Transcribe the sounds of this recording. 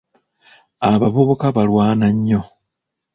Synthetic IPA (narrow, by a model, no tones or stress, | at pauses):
aβaβoβo̞kaβalwaːnaɲːo̞